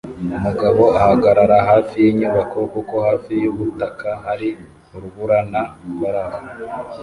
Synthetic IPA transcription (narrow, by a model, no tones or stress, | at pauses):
umuɡaβo̞ahaɡaɾaɾaɦaːfijiɲuβakʰo̞kukohaːfijuβutakʰaɦaɾi | uɾuβuɾanaβaɾaha